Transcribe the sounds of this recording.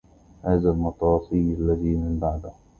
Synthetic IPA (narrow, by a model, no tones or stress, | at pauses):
haːzalmɑt̪ˤɑːsˤiːlalːaðiːmɪmbaʕd̪a